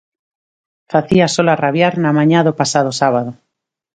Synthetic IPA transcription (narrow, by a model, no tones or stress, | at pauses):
faθiasolaraβjaɾnamãɲaðopasaðosaβaðo